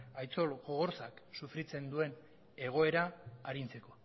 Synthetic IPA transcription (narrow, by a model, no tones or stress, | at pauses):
ajt͡so̞lɣoɣo̞ɾsaksufɾit͡se̞nd̪ue̞n | e̞ɣ̞o̞e̞ɾaːɾint͡se̞ko̞